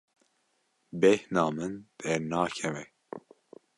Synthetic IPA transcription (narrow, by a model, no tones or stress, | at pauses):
bɛhnɑːmɨnd̪̥ɛnɑːkʰɛvɛ